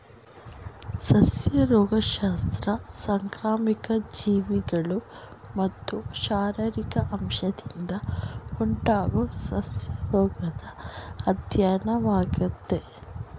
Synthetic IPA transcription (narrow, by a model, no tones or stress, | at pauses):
sɐsjɐɾɔːɡɐʃaːst̪ɾɐsɐŋkɾaːmikɐd͡ʒiːʋiɡɐɭu | mɐt̪ːuʃaːɾɐɾikɐʔɐmʃɐd̪ind̪ɐoɳʈaːɡosɐsjɐɾɔːɡɐd̪ɐːd̪ʱjaːnɐʋaːɡut̪ːe